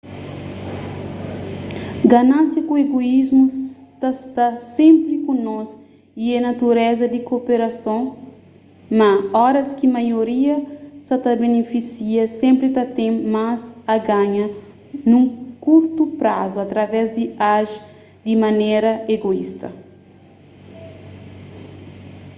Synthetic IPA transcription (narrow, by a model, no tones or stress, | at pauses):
ɡanãsjɐkũeɡoizmut̪ast̪asẽmpɾikũnɔz | iɛnat̪uɾɛzɐd̪ikopeɾasõ | maɔɾɐskimajoɾiɐsɐt̪abenefisiɐsẽmpɾit̪at̪ẽmazaɡãɲɐ | nũkuɾt̪upɾazuat̪ɾɐvɛzd̪iaʒ | d̪imanɛɾɐeɡoist̪ɐ̰